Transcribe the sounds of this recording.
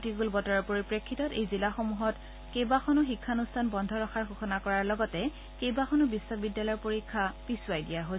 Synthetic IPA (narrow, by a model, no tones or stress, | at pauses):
tiɡulbɔtɔɹɔɹpoɹipɹekʰːitɔtejzilaxomuɦɔt | kejbaxɔnʊxikʰːanustʰanbɔndʱɔɹɔxaɹxuxɔnakɔɹaɹlɔɡɔtɛ | kejbaxɔnʊbisɔbidːalɔjɔɹpoɹikʰːapisʊajdijaɦo